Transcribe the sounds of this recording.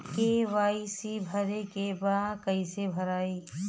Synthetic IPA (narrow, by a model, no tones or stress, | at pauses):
keʋaːisibʱɐɾekebãːkɐisebʱɐɾaːiː